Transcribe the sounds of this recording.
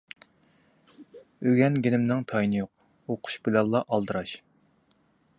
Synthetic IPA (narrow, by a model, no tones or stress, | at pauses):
øɡʲɛnɡʲinɪmnɪŋt̪ʰɑjnɨjoq̚ | oqʰʊ̥ʃbɪlɛlˠːɑʔɑlˠd̪ɨɾɑʃ